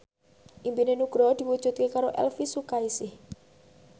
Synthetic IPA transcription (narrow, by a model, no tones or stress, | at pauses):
ʔimbinenuɡ̥ɾɔd̪̥iwud̥ʒ̥ṳt̪̚kekaɾoʔɛ̰lfisukaisɪh